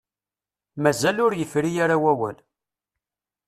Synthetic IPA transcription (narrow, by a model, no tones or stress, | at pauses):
mæzælʊɾjəfɾijaɾawæwæ̰l